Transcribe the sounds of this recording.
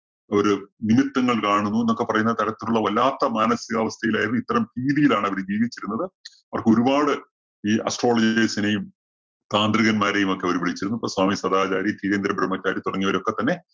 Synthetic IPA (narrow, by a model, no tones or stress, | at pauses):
oɾunimit̪ːɐŋːɐɭkaːɳunːuenːokːe̞pɐrɐjunːɐt̪ɐɾɐt̪ːiluɭːɐʋɐlːaːt̪ːɐmaːnɐsiɣɐʋɐst̪ʰɐjilaːjiɾunːuit̪ːɐɾɐmhiːðijilaːɳɐʋɐɾd͡ʑiːʋit͡ɕːiɾunːɐðɨ | ɐɐrɐkːo̞ɾubaːɽɨ | iːʔɐ̰sʈro̞ːɭɐd͡ʑiesinejum | t̪aːnd̪riɣɐnmaːɾe̞jumo̞kːeɐʋɐɾuʋiɭit͡ɕːiɾunːuɐpːoːswaːmiswɐd̪aːt͡ɕaːɾit̪iːɾeːnd̪ɾɐbɾɐmːɐt͡ɕːaːɾit̪uɽɐŋːiɐʋɐɾo̞kːe̞t̪ːɐnːe̞